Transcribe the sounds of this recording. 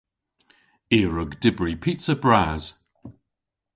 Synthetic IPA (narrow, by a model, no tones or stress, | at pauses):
iːɹʊɡdɪbɹipʰiˑtəbɹaːz̥